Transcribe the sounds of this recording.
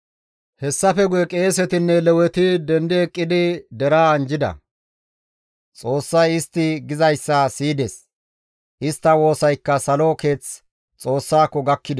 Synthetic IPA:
hɛsːɐfɛɡʊjɛkʼe̞ːsɛt̪ɪnːɛlɛwɛt̪ɪd̪ɛnd̪ɛːkʼːɪd̪ɪd̪ɛɾaːnd͡ʒɪd̪ɐ̰ | t͡sʼo̞ːsːɐjɪst̪ːɪɡɪzɐjsːɐsiːd̪es | ʔɪst̪ːɐwo̞ːsɐjkːɐsɐloke̞ːt͡s | t͡sʼo̞ːsːaːkːɔɡɐkːɪd̪

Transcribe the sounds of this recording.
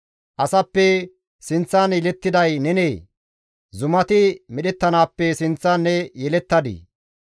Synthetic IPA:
ʔɐsɐpːɛ | sɪnt͡sːɐnjɛlɛt̪ːɪd̪ɐjnɛneː | zʊmɐt̪ɪmɛɗɛt̪ːɐnaːpːɛsɪnt͡sːɐnːɛjɛlɛt̪ːɐd̪ḭ

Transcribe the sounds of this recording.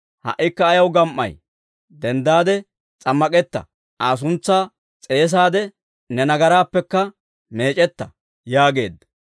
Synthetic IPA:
hɐ̰ʔːɪkːɐːjɐwɡɐmʔːɐ̰j | d̪ɛnd̪aːd̪ɛ | t͡sʼɐmːɐkʼɛt̪ːɐ̰ | aːs̬ʊnt͡sːaː | t͡sʼe̞ːs̬aːd̪ɛ | nɛnɐɡɐɾaːpːɛkːɐ | me̞ːt͡ʃʼɛt̪ːɐ̰ | jaːɡe̞̰ːd̪ɐ

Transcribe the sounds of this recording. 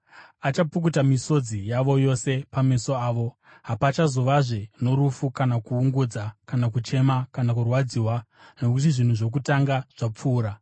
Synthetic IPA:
at͡ʃapukutamiso̞d͡zijaʋo̞jo̞se̞pameso̞aːʋo̞ | ɦapat͡ʃazo̞ʋaʐeno̞ɾufukanakuːŋɡud͡zakanakut͡ʃe̞makanakurwad͡ziːwa | no̞kutiʐin̤uʐo̞k̬utaŋɡaʐ̥ap͡fuːɾa

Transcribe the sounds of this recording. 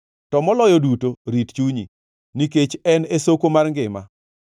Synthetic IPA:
tɔmɔlɔjɔdutoɾitt͡ʃuɲi | niket͡ʃɛnesokomarŋɡɪma̰

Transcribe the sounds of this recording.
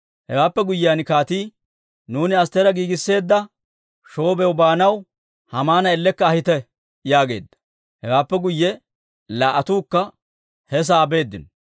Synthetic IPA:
hɛwaːpːɛɡʊjːɪaːnkaːt̪iː | nuːnɪɐst̪ɛɾɐɡiːɡɪsːe̞ːd̪ːɐ | ʃo̞ːbɛwbaːnɐw | hɐmaːnɐɛlːɛkːɐːhɪt̪ɛ | jaːɡe̞̰ːd̪ːɐ̥ | hɛwaːpːɛɡʊjːɛ | laːʔɐt̪uːkːɐ | hɛs̬aːbe̞ːd̪ːɪnɔ

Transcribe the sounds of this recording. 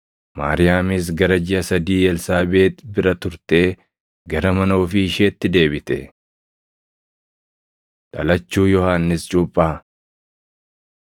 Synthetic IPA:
ma̰ːɾɪjaːmɪs̬ɡɐɾɐd͡ʒɪɐsɐd̪iːjɛlsaːbe̞ːt̪bɪɾɐt̪ʊɾt̪e̞ː | ɡɐɾɐmɐno̞ːfɪɪʃeːt̪ːɪd̪e̞ːbɪt̪ɛ̰ | ᶑɐlɐt͡ʃːuːjɔhaːnːɪst͡ʃʼʊpʼːaː

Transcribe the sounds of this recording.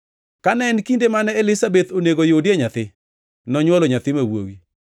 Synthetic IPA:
kanɛnkindemanɛelɪsabet̪oneɡojodjeɲat̪ɪ | nɔɲwɔloɲat̪ɪmawo̰wi

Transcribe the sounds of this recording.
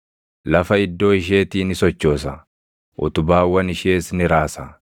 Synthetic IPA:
lɐfɐɪd̪ːo̞ːɪʃ̬e̞ːt̪iːnɪsɔt͡ʃːo̞ːsɐ | ʔʊ̰t̪ʊbaːwːɐnɪʃeːsnɪɾaːsɐ

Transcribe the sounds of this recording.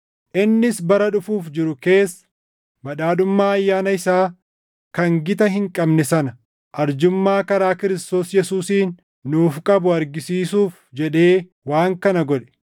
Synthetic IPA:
ʔɪnːɪsbɐɾɐᶑʊfuːfd͡ʒɪɾʊke̞ːsːɐ̥ | bɐᶑaːᶑʊmːaːɐjːaːnɐɪsaː | kɐŋɡɪt̪ɐɦɪŋkʼɐbnɛsɐnɐ | ʔɐɾd͡ʒʊmːaːkɐɾaːkɪɾɪst̪o̞ːsjɛsuːsiːnː | uːfkʼɐbʊɐɾɡɪsiːsuːf | d͡ʒɛᶑe̞ː | waːŋkɐnɐɡɔᶑɛ̥

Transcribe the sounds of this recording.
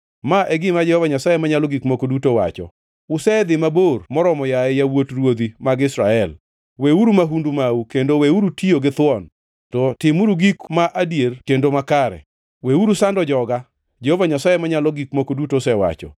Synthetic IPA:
maʔɛɡɪmad͡ʒɛhovaɲasajemaɲaloɡikmokodutowa̰t͡ʃɔ̰ | ʊsɛd̪ɪmabormɔɾɔmɔjaɛjawotrwod̪imaɡɪsɾaɛl | weuɾumaɦundumaukendoweuɾutioɡɪt̪wɔn | tɔtɪmuɾuɡikmaʔadjertendomakaɾɛ̰ | weuɾusandɔd͡ʒɔɡa | d͡ʒehovaɲasajemaɲalɔɡikmokodutosɛwa̰t͡ʃɔ̰

